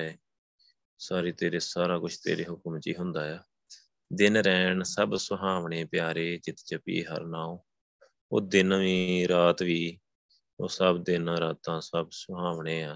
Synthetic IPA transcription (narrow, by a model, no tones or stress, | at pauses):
eː | saːɾiːt̪eːɾeːsaːɾaːkʊt͡ʃʰt̪ḛːɾeːɦʊkmt͡ʃḭːɦʊnd̪aːjaː | d̪ɪnɾɛːɳsəbsʊɦaːʋɳeːpɪjaːɾeːt͡ʃɪt̪t͡ʃəpḭːɦə̰ɾnaːõ | o̰ːd̪ɪnʋiːɾaːt̪ʋiː | oːsəbd̪ɪnɾaːt̪ãːsəbsʊɦaːʋɳeːaː